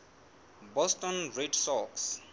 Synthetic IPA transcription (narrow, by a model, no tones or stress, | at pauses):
bɔstɔ̃nɹedsɔks